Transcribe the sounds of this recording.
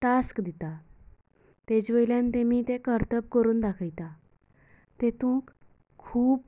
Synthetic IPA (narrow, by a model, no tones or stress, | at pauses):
ʈaskd̪it̪a | t̪ed͡ʑʋəjljãnt̪emiːt̪ekəɾt̪əp̚kəɾuːnd̪akʰəjt̪a | t̪et̪ũkʰː | uːb